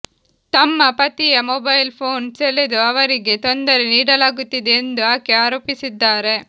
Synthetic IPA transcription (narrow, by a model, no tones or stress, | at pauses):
t̪ɐmːɐpɐt̪ijɐmobɐjlpʰoːnseled̪uɐʋɐɾiɡe̞t̪o̞nd̪ɐɾeniːɽɐlaːɡut̪ːid̪eːnd̪uaːkeaːɾo̞ːpisid̪ːaːɾe̞